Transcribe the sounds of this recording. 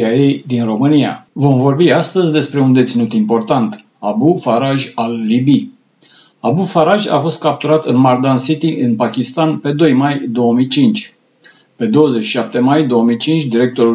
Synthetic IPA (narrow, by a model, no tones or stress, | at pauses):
iaje̞jd̪inro̞mɨnia̰vo̞mvo̞rbiast̪əzʲd̪e̞spɾe̞und̪et̪sinut̪impo̞rt̪ant̪ | abufaɾaʒalːibi | abufaɾaʒʲa̰fo̞st̪̚kap̚t̪uɾat̪ɨnmard̪ansit̪iʔɨnpakʲist̪anpe̞d̪o̞jmajd̪o̞wəmijt͡ʃint͡ʃʲ | pe̞d̪o̞wəzet͡ʃːi̥ʃap̚t̪e̞majd̪o̞omit͡ʃint͡ʃʲd̪iɾe̞k̚t̪o̞ɾu